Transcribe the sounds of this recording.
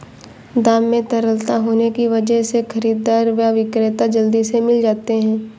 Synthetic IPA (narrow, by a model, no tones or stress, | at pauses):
d̪aːmːẽt̪ɐɾəlt̪aɦoːnekiʋɐd͡ʒəɦsexʰɐɾiːd̪aːɾʋjaʋɪkɾeːt̪ad͡ʒɐld̪isemɪld͡ʒaːt̪eɦɛ̃ː